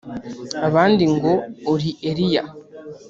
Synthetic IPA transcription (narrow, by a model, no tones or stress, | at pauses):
aβaːndiŋɡo̞ːɾiʔeɾija̰